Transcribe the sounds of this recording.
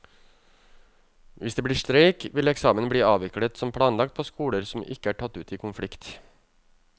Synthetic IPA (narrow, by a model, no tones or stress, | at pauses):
ʋʔɪsd̪eːbliːʂt̪ɾeɪkʋɪlɛksɑːmənbɽiːɑːʋɪklət̪sɔmpʰlɑːnlɑkt̪̚pʰoːskuːləɾsɔmɪ̰kːəæːʈʰɑt̪ːʉ̰ːt̪iːkʰʊnflɪkt̪